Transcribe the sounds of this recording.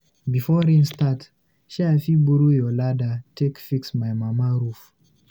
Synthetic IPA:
bifɔɾĩnstat | ʃafibuɾujɔladatʰekfiksmajmamaɾuf

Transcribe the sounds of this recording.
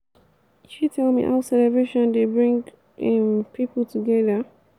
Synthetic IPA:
ʃitʰɛlˠmḭʔa̰ʊsɛlɛvɹeʃɔ̃ndebɹĩŋɡ | mpʰipl̩tʰuɡɛðə

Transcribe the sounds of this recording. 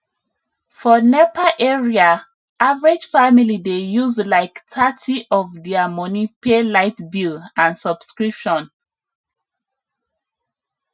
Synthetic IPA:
fɔnɛpaʔɛɹia | ʔavɹed͡ʒfamilidejuzlaɪktʰatʰiʔɔvdɛamɔnipelaɪtbilãnsɔb̥skɹipʃɔ̃n

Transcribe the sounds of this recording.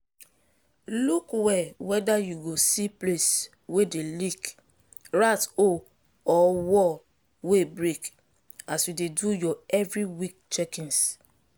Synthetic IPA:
lukwɛwɛdajuɡosiples | wedelik | ɹato | ɔwɔ | webɹek | asjudedujɔɛvɹiwik̚t͡ʃɛkĩns

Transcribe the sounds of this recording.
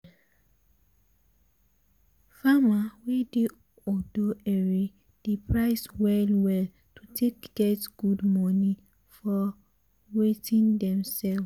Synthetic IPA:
famawedi | ɔdoɛɹi | d̥ipʰɹaɪswɛlwɛl | tʰutʰekɡ̥ɛtɡ̥udmɔni | fɔ | wetĩndɛ̃msɛl

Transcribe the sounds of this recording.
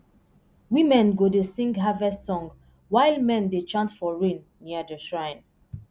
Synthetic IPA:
wĩmɛ̃nɡodesĩŋɡɦavɛstsɔ̃ŋɡ | waɪlmɛ̃ndet͡ʃãntfɔɹĩnːiədəʃɹãɪ̃n

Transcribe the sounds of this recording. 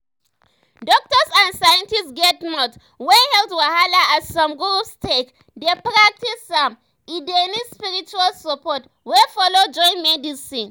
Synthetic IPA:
dɔk̚tɔsãnsajãntistɡɛtnɔt | wɛhɛltwahalaasɔ̃mɡuustʰek | depɹak̚tisːãm | idɛnispiɹit͡ʃualsɔpɔt | wɛfɔlod͡ʒɔ̃j̃nmɛdisĩn

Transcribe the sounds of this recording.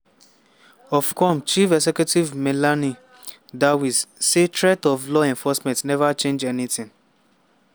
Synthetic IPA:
ɔfkʰɔ̃mt͡ʃifɛsɛkjutivmɛlani | dawissetɹɛtɔflɔɛ̃nfɔsmɛ̃ntnɛvat͡ʃẽnd͡ʒɛnitĩŋ

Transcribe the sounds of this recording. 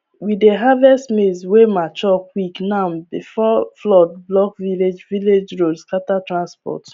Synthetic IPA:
wideɦavɛstmeswemat͡ʃɔkwiknaʊbifɔflɔd̚blɔkviled͡ʒviled͡ʒɹodskatatɹãnspɔ̰t

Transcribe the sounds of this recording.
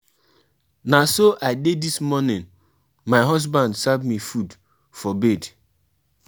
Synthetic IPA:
nasoʔaɪdedismɔnɪ̃n | maɪɦɔs̬bãndsabmifud | fɔbed

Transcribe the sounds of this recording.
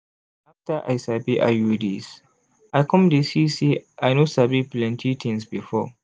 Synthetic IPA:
ʔaftaʔajsabiʔa̰judis | ʔajkɔ̃mdisisiʔajnosabiplɛntʰitʰɪ̃nsbifɔː

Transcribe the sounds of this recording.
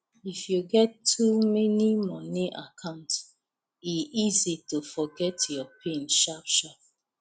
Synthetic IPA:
ifjuɡɛtʰːumɛnimɔniʔakʰãʊ̃nt | iʔizitofɔɡɛtjɔpʰẽnʃapʃap̚

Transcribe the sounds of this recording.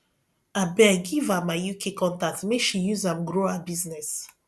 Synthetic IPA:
abɛɡivamajukʰekɔ̃ntak̚tmeʃijuzãmɡɹoabiznɛs

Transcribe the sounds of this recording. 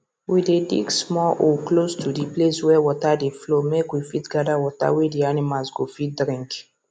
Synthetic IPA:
widedḭɡsmɔʔoklostʰudipleswɛwɔtadeflomekwifitɡadawɔta̰widianimasɡofit̚dɾĩŋk

